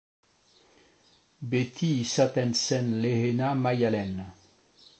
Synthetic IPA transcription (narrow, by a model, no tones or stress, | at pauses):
bet̪ʰisat̪ɛnsɛnlehenamajalɛn